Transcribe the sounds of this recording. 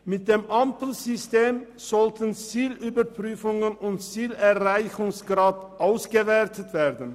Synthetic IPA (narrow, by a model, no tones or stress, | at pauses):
mɪt̚d̥eːmʔampl̩zʏsteːm | z̥ɔltʰən̩t͡siːlʔyːbɐpʁ̥yːfʊŋənʊntt͡siːlɛɐʁaɪçʊŋsɡ̥ʁaːtʔaʊsɡ̥əvɛɐtətv̥eːdn̩